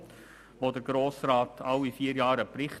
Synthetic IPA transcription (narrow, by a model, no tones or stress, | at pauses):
ʋodəɾɡɾoːsrɑːtʰɑwifiːəɾjɑːɾəpɾɪχt